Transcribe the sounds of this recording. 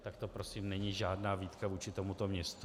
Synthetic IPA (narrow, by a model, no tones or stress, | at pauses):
t̪akt̪o̞pɾo̞siːmnɛɲiʒaːdnaːviːt̪kavuːt͡ʃɪt̪o̞mut̪o̞mɲɛst̪